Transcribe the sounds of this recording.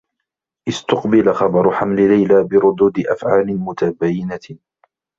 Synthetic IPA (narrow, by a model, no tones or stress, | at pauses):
ʔɪst̪ʊqbɪlaxɑbɑɾˤʊħamlɪlajlaːbɪɾʊd̪uːd̪ɪʔafʕaːlɪmʊt̪abajːɪna